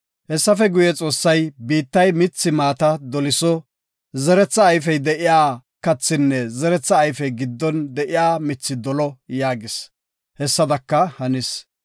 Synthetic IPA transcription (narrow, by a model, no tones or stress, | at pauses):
hɛsːɐfɛɡʊjɛt͡sʼo̞ːsːɐjbiːt̪ːɐjmɪt͡sːɪmaːt̪ɐd̪ɔlɪsɔ | zɛɾɛt͡sːɐːjfɛjd̪ɛʔɪjaːkɐt͡sːɪnːɛzɛɾɛt͡sːɐːjfɛjɡɪd̪ːɔnd̪ɛʔɪjaːmɪt͡sːɪd̪ɔlɔjaːɡɪs | hɛsːɐd̪ɐkːɐhɐnɪs